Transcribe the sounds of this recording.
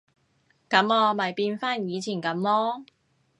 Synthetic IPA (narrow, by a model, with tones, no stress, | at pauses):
kɐ˨˥mɔː˧mɐ˨˩jpiː˧nfaː˥njiː˨˧t͡sʰiː˨˩nkɐ˨˥mlɔː˥